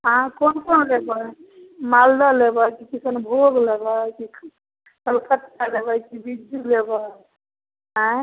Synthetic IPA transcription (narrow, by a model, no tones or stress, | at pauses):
ɦãkonkonlebɔ | mald̪alebajkikisənbʱoɡlebakik | kəlkət̪ːalebajkibid͡ʒuleba | ɦã